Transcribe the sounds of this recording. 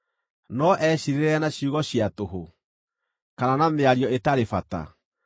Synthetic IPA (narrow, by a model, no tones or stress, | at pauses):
nɔʔɛɕiɾeɾanaɕiuɣɔɕiatoɦo | kananameaɾiɔetaɾefata̰